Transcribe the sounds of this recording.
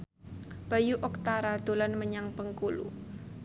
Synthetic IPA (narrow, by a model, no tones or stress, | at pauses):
b̥a̤juʔɔk̚t̪aɾad̪̥o̤lanməɲaŋpəŋkulṵ